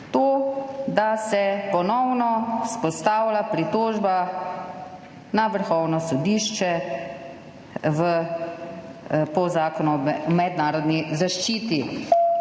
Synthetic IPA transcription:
t̪oːd̪asɛpɔnɔwnɔspɔst̪aːwlapɾit̪oːʒba | naʋəɾxɔwnɔsɔd̪iːʃt͡ʃɛ | ʋə | pɔzaːkɔnɔɔmɛd̪naːɾɔd̪nizaʃt͡ʃiːt̪i

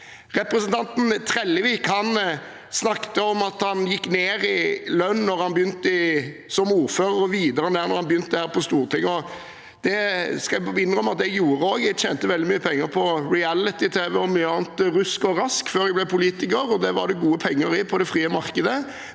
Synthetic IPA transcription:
ʁɛpɾɛsənt̪ʰɑnt̪nt̪ʰɾɛlːəʋiːkhɑn | snɑkt̪əɔmɑt̪hɑnjɪkːneːɾɪlœnnɔɾhɑnbəjʏnt̪əɪ | sɔmuːɾføːʁəɾɔʋiːd̪əɾəneːɾnɔɾhɑnbjʏnt̪d̪ɛhæːɾpʰɔst̪uːɾt̪ʰɪŋɔ | d̪̥ɛskɑɛɪnʁɔmɑt̪̚d̪ɛɡjuːɾəɔːɡjɛɡt͡ʃeːnt̪əʋɛld̪ɪmyːəpʰɛŋːəɾpʰɔɾɪælɪt̪ɪt̪ʰeːʋɛɔmyːəɑːnt̪ɾʉskɔɾɑskføːɾɛɡblɛpʰʊliːt̪ɪkəɾɔd̪ɛʋɑ̰ɾd̪ɛɡuːəpʰɛŋːəɾɪpʰɔd̪ɛfɾiːəmɑʁkəd̪ə

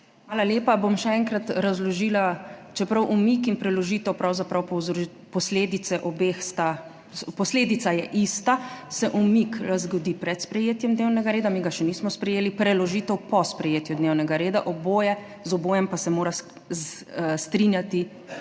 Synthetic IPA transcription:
xmaːlaljeːpabomʃɛɛːŋkɾat̪ɾazlɔʒiːlat͡ʃɛpɾawʔumikinpɾɛlɔʒiːt̪ɛwpɾawzapɾawp | pɔsleːd̪it̪sɛʔɔbexst̪a | pɔsleːd̪it̪sajɛʔist̪asɛʔumikɾazɡɔd̪ipɾɛt̪spɾɛjeːt̪jɛmd̪newnɛɡaɾeːd̪amiɡaʃɛniːsmɔspɾɛjeːlipɾɛlɔʒiːt̪ɛwpɔspɾɛjeːt̪jud̪newnɛɡaɾeːd̪aʔɔboːjɛ | zɔboːjɛmpasɛmoːɾa | st̪ɾinjat̪i

